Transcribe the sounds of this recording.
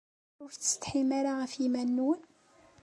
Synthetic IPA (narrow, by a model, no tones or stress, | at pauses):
ʊɾːə̥t̪ħimaɾaʁəfimænːwn